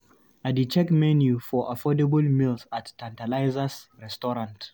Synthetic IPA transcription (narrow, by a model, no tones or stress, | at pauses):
adit͡ʃɛkmɛnjufɔʔafɔdɛbəlmilθattʰãntalaɪzəsɹɛstɔɹãnt